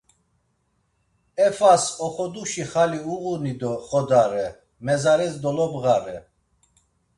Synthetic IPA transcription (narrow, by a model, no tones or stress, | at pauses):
ɛfasɔχɔd̪uʃiχaliuɣunid̪ɔχɔd̪aɾɛ | mɛzaɾɛsd̪ɔlɔbɣaɾɛ